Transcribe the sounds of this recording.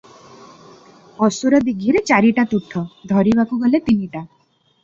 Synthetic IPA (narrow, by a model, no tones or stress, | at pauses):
ɔsuɾɔd̪iɡʱiɾet͡ʃaɾiʈat̪uʈʰːɔd̪ʱɔɾibakuɡɔlet̪iniʈa